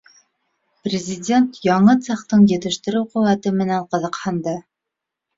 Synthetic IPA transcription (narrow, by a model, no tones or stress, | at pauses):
prʲɪzʲɪdʲe̞nt̪jɑɴɤt̪sɑqt̪ɤɴjɘ̆t̪ɘ̆ʃt̪ɘ̆ɾɘwqɵ̆wæt̪ɘmɘ̆næɴqɤ̆ðɤ̆qhɑnd̪ɤ